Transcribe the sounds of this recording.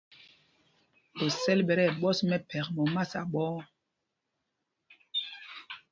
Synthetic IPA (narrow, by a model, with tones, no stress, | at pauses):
o˨sɛ˦lɓɛ˨ɾɛ˦˨ɓɔ˦smɛ˦pʰɛ˨kmɔ˨ma˦˨sa˨ɓɔː˦